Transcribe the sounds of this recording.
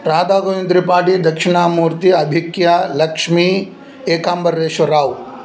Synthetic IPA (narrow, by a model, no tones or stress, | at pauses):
ɾaːd̪aːɡojĩnd̪ɾipaːʈid̪ɐkʃɪɳaːmuːɾt̪iɐbʱikjalɐkʂmi | eːkaːmbɐɾːeːʃɐɾaːw